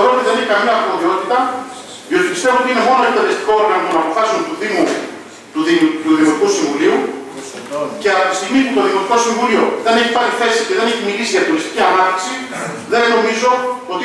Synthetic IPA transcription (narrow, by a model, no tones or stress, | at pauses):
ðoot̪iðe̞neçikɐmiɐːɾmo̞ðio̞t̪it̪ɐ | ðio̞t̪ipist̪e̞voot̪iine̞mo̞noed̪ɐðest̪i̥koo̞ɾɣɐnot̪onɐːpo̞fɐsunt̪uðimu | t̪uðimt̪uðimot̪ikusiɱvuliu | ce̞ɐt̪ist̪iɣmiput̪o̞ðimot̪iko̞siɱvulio̞ðe̞ne̞çipaɾiθe̞siceðe̞neçimilisiðiɐt̪olist̪i̥ciɐnat̪t̪i̥ksi | ðe̞nːo̞mizo̞ot̪i